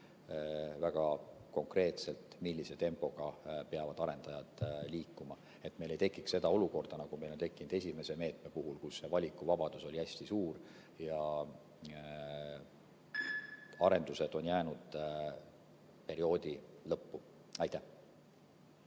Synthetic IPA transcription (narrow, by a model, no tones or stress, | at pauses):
væɡ̥ɑko̞ŋkre̞ːt̪se̞lt̪milʲːise̞t̪e̞mpo̞ɡ̥ɑpeɑvɑd̪̥ɑɾe̞nd̪̥ɑjɑd̪̥liːkːˑumɑ | e̞t̪ːˑme̞jle̞jt̪e̞kˑːikse̞d̪̥ɑo̞luko̞rd̪̥ɑnɑɡ̥ume̞jlont̪e̞kːˑinud̪̥e̞sʲime̞se̞me̞ːt̪ˑme̞puɦulkusːe̞vɑlʲikːˑuvɑb̥ɑd̪̥uso̞liæsʲt̪isuːr | jɑ | ɑɾe̞nd̪̥use̞d̪̥o̞njæːnud̪̥ | pe̞ɾio̞ːd̪̥ilɤpːu | ɑjt̪æh